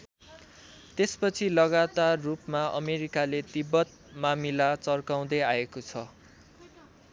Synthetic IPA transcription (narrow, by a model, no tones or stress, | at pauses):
t̪espʌt͡sʰilʌɣat̪arːupmaʔʌ̰meɾikalet̪ibʌt̪̚ | mamilat͡sʌrkaw̃d̪ʌjaekot͡sʰʌ